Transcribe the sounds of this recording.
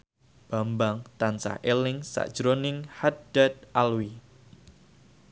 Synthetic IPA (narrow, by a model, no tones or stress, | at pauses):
b̥a̤mbaŋt̪ansa̰hʔelɪŋsa̰ʔd̥ʒ̥ɾonɪŋhad̥ad̪̚ʔalwi